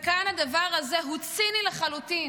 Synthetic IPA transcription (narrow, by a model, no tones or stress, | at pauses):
kanhad̪avaʁhazeɦut͡sinileχalut̪in